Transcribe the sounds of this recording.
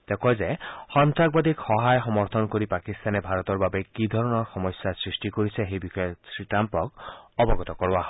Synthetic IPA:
d̪̥ekɔzɛxɔnt̪ak̚bad̪ʱikxɔɦajxɔmɔɹt̪ʰɔnkoɹipakist̪anɛbʱaɹɔt̪ɔɹbabɛkid̪ʱɔɹɔnɔɹxɔmɔsːasɹisʈikoɹisɛxejbixɔjɔsɹitampɔkɔbɔɡɔt̪ɔkɔɹaɦ

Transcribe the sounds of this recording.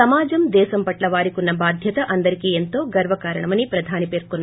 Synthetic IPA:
ɐmaːd͡ʒɐmd̪ɛːsɐmpɐʈlɐʋaːɾikunːɐbaːd̪ʱjɐt̪ɐʔɐnd̪ɐɾikient̪oːɡɐɾʋɐkaːɾɐɳɐmɐnipɾɐd̪ʱaːnipe̞ːɾkunːɐ

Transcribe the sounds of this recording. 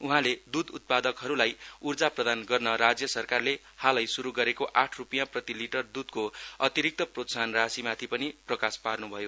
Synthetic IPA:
uɦãled̪ud̪ut̪̚pad̪ʌkɦʌɾulajurd͡zaprʌd̪anɡʌrnʌɾad͡zjʌsʌrkarle | halʌjsuɾuɡʌɾekoʔaʈʰrupijãprʌt̪iliʈʌrd̪ud̪koʌt̪iɾik̚t̪ʌprot̪sanrasimat̪ʰipʌniprʌkasparnubʱʌjo

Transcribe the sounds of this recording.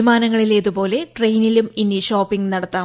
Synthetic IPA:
imaːnɐŋːɐɭile̞ːðupo̞ːle̞ʈrejniluminiɕoːpːiŋɡnɐɽɐt̪ːaː

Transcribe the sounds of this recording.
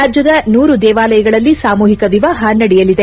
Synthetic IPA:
aːd͡ʒjɐd̪ɐnuːɾud̪ɛːʋaːlɐjɐɡɐɭɐlːisaːmuːɦikɐʋiʋaːɦɐnɐɽɛjɐlid̪e

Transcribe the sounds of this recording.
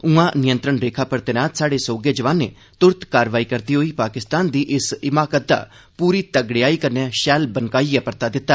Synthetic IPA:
ʊãːnɪjə̃nt̪ɾəɳɾeːkʰaːpəɾt̪eːnãːt̪saːɽeːsoːɡeːd͡ʒəʋaːnːḛː | t̪ʊɾt̪kaːɾʋaːiːkəɾd̪iːɦoːiːpaːkɪst̪aːnd̪iːʔɪsɪmaːkət̪̚d̪a̰ː | puːɾiːt̪əɡɽɪjaːiːkəɾneaːʃɛːlbənkaːiːɛpəɾt̪aːd̪ɪt̪ːaː

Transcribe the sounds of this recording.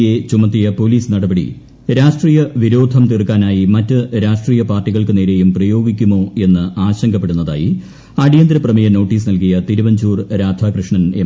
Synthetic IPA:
jet͡ɕumɐt̪ːijɐpo̞liːsɨnɐɽɐbɐɽḭ | ɾaːʂʈriːjɐʋiɾo̞ːd̪ʱɐmt̪irkːaːnaːjimɐtːɨɾaːʂʈriːjɐpaːrʈːiɣɐɭkɨneːɾe̞jumprɐjo̞ːɡikʲːumo̞ːe̞nːɨʔaːɕɐŋɡɐpːe̞ɽunːɐða̰ːjḭ | ɐɽijɐnd̪ɾɐprɐmijɐno̞ːʈːiːsnɐlkijɐt̪iɾuʋɐɲd͡ʑuːrɾaːd̪ʱaːkrɨʂɳɐne

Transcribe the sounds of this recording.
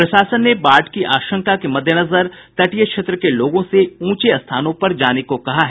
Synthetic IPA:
pɾɐʃaːsənːebaːʈkiʔaːʃə̃ŋkakemɐd̪ʱjənɐzəɾt̪ɐʈijəkʃeːt̪ɾəkeloːɡõseũːt͡ʃeɐst̪ʰaːnõpɐɾd͡ʒaːnekokɐɦaɦɛ

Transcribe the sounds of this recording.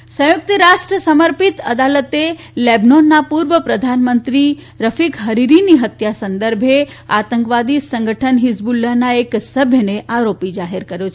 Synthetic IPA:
sə̃juk̚t̪əɾaʂʈɾəsəməɾpit̪əd̪alət̪e | lebnonːapuɾʋəpɾəd̪ʱanmənt̪ɾi | ɾəfikɦəɾiɾiniɦət̪jasənd̪əɾbʱe | a̰t̪əŋkʋad̪isə̃ŋɡəʈʰənɦisbulːənaeksəbʱjəneʔaɾopid͡ʒaɦiɾkəɾjot͡ʃʰ

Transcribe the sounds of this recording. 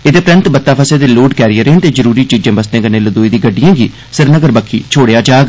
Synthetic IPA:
ɪd̪eːpɾə̃nt̪bət̪ːaːpʰəseːd̪eːloːɖkɛːɾijəɾẽːnt̪eːzəɾuːɾiːt͡ʃiːd͡ʒãːbəst̪ẽːkənẽːləd̪oːiːd̪iːɡəɖːijãːɡḭː | sɪɾnəɡəɾbəkʰḭːt͡ʃʰoːɽejaːd͡ʒaːɡ

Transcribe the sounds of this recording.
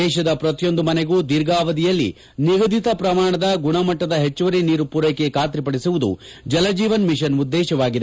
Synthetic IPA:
ɛːʃɐd̪ɐpɾɐt̪ijo̞nd̪umɐneɡuːd̪iɾɡaːʋɐd̪ijɐlːḭ | niɡɐd̪ʱit̪ɐpɾɐmaːɳɐd̪ɐɡuɳɐmɐʈːɐd̪ɐɦet͡ʃːɐʋɐɾiniːɾupuɾɐjke̞kaːt̪ɾipɐɽisuʋud̪ṵd͡ʒɐlɐd͡ʒiːʋɐnmiʃɐnud̪ːɛːʃɐʋaːɡid̪e

